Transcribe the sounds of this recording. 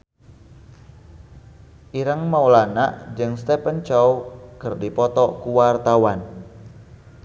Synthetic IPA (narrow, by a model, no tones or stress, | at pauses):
ʔiɾaŋmaulana̰ʔd͡ʒɨŋst̪ɛpənt͡ʃɔwkɨrdipɔt̪ɔkuwart̪awan